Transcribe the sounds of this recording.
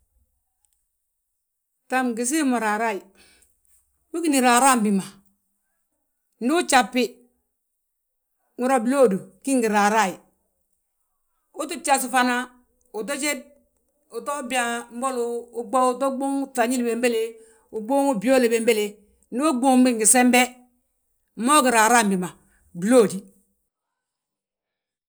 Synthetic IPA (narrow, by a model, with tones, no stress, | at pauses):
ta˨mɡi˨s̬i˦mo˨ɾa˨ɾa˦˨i˨ | wu˦ki˦ni˨ɾa˨ɾa˦˨m˦bi˨ma˨ | n̩˦du˦t͡ʃa˨pːɪ˦ | ŋu˨ɾa˨bi˨lo˦˨du˨ki˦ŋɡi˨ɾa˨ɾa˦˨i˨ | u˦tu˦t͡ʃa˨s̬u˨fa˦na˦ | u˨t̬o˦t͡ʃe˦d̚ | u˨to˦bi˨a˨m̩˦bo˦luː˦ɡ͡bɔ˦u˨to˦ɡ͡bo˦ŋ˦ta˨ɲi˦lbe˨mbe˦le˨ | u˨ɡ͡bo˦ŋu˦bi˨˦o˦le˨be˨m˦be˦le˨ | n˦du˦ɡ͡bo˦˨ŋ˦bi˦ŋɡi˨se˦mbɛ˦ | mo˦ɡi˨ɾa˨ɾa˦˨m˨bi˨ma˨ | bi˨lo˦˨di˨